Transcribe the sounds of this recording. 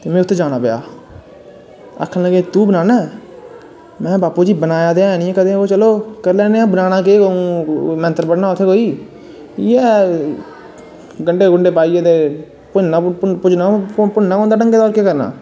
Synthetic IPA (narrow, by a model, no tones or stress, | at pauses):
t̪eːmɛ̃ːʊt̪ʰːeːd͡ʒaːnaːpɪja̰ː | ə̰kʰːənləɡeːt̪uːbənaːnɛː | mɛ̃ːbaːpuːd͡ʒiːbənaːjaːd̪eaːɛnĩːɛ̃ːkəd̪ẽːoːt͡ʃəloːkəɾlɛːnẽːaːbənaːnaːkeːoũːmɛ̃nt̪əɾpəɽnaːʊt̪ʰːeːɦoːiː | ɛː | ɡəɳɖeːɡʊɳɖeːpaːiaːd̪eː | pʊnaːpʊd͡ʒnaːpʊɳnaːoːnd̪aːʈəŋɡeːd̪ɔːɾkeːkəɾna̰ː